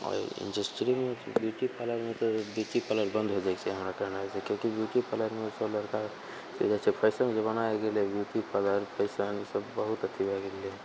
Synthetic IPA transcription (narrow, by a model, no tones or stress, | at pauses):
ɔ̰ɾḭ̃nɖəsʈɾimebjuʈipʰələɾmet̪objut̪ipələɾbə̃nd̪ʱɦod͡ʒaet͡ʃʰɛɦəmɾakəɦnaɦɛsekjõkibjuʈipələɾmesəbləɾka | sḛd͡ʒat͡ʃʰɛpʰəɪsənd͡ʒebənaeɡelebjut̪ipələɾpʰəɪsənsəbːəɦut̪ət̪ʰːibʱaɡele